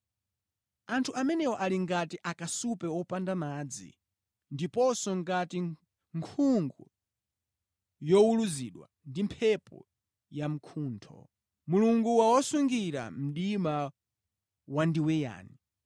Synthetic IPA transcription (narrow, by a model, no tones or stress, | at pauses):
antʰuʔamɛnɛwɔʔaliŋɡatiʔakasupɛwɔpandamaːd͡zḭ | ndipɔsɔŋɡati | ŋkʰuŋɡu | jɔuluziɗwa̰ | ndimpʰɛpɔ̰ | jam̩kʰuːntʰɔ̰ | muluŋɡuwawɔsuŋɡiɾa̰m̩ɗima | wandiwɛja̰ːni